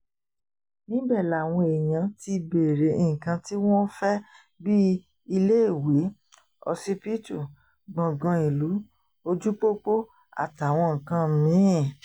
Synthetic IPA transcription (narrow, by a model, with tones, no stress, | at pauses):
nĩ˦bɛ˦˨la˨w̃ɔ̃˧e˨j̃ã˧ti˧be˨ɾe˨˦i˨kã˧ti˦w̃ɔ̃˦fɛ˦ | bi˦ | i˧le˦i˦˨we˨˦ | ɔ̰˧si˦pi˦tu˦˨ | ɡ͡bɔ̃˨ɡɔ̃˧i˨lu˨˦ | o˧d͡ʒu˦k͡po˦k͡po˦ | a̰˨ta˨w̃ɔ̃˧ŋ̩˨kã˧mĩ˨˦˨